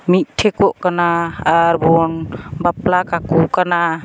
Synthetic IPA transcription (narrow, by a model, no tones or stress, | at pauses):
mit̚tʰːekɔʔkanaːɾbɔnbaplakakukana